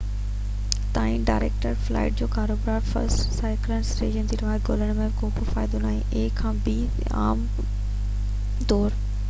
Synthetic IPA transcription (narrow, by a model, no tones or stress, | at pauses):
t̪aːĩnɖaːɪɾeːk̚ʈəɾfla̰ːɪʈ̚d͡ʑoːkaːɾoːbɾaːɾfɐ̰ɾsʈsaːɪklənsɾḛːd͡ʒənd̪iːɾʋaːɾɡoːləɽ̃mẽbkoːbʊfaːɪd̪onaːɦẽʔeːkʰːãːbi | a̰ːm | d̪ɔːɾ